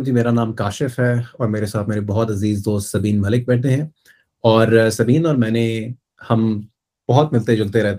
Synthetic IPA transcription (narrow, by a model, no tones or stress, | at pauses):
d͡ʒimeːɾanaːmkaːʃɪfɦɛɔːɾmeːɾesaːt̪̚ʰmeːɾebɔɦɔt̪ɐziːzd̪oːst̪sɐbiːnmɐlɪk̚bɛːʈ̪̚ʰeɦɛ̃ː | ɔːɾsɐbiːnɔːɾmɛ̃ːne | hɐm | b̥ɐɦʊt̪mɪlt̪ed͡ʒɐlt̪eɾɛɦt̪e